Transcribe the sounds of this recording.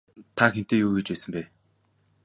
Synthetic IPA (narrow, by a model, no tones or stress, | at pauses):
t̪ʰakxen̥t̪eːjuːɣet͡ɕpæːsə̆mpæː